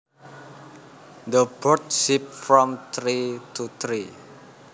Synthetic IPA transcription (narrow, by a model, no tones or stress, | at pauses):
d̪əbɔrt̪̚sip̚fɾɔmt̪ɾit̪ʰut̪ɾi